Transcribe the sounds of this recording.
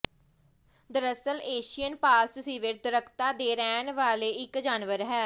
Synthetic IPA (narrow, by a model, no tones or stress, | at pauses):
d̪əɾəsəleːʃijənpaːst̪ʊsĩːʋɪɾd̪əɾəkʰt̪aːd̪eːɾɛːnʋaːleːɪkd͡ʒaːnʋəɾɦɛː